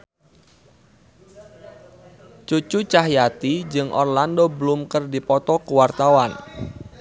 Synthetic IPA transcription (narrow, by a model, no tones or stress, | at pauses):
t͡ʃut͡ʃut͡ʃaɦjat̪id͡ʒɨŋʔɔ̰rlandobəlʊmkərdipɔt̪ɔkəwart̪awan